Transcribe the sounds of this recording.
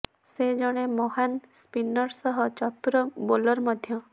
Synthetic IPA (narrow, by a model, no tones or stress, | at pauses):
sed͡ʒɔɽ̃emɔɦanspinɔɾsɔɦɔt͡ʃɔt̪uɾɔbolɔɾmɔd̪ʱjɔ